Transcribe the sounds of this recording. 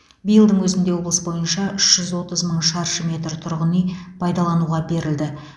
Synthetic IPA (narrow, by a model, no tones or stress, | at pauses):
bijəlˠd̪əɴwɵzɪnd̪e̞wo̞blˠəsəbo̞jənʃɑʔʏʃʒ̥ʏzwo̞t̪əzməɴʃɑɾʃəmʲe̞t̪ɾt̪ʰʊɾʁənijpʰɑjd̪ɑlˠɑnuʁɑbe̞ɾɪld̪ɪ